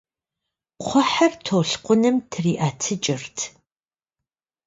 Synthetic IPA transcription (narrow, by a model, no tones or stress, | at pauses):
qʷʰɔħɐrtʰoːɬqʷʊnɨmtʰriːʔaːtʰɨt͡ʃʼɪrtʰ